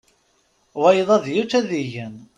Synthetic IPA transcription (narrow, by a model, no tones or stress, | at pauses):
wæjðˤɑðjut͡sːæðiʝən